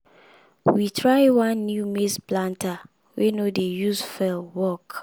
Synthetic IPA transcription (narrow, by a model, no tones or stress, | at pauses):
witʰɹaɪwãnːjumesplãnta | wenodejusfɛlwɔk